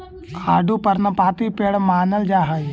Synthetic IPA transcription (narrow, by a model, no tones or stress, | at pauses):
kʰaːɖupɐɾnɐpaːt̪ipeːɽmaːnɐld͡ʒaːɦa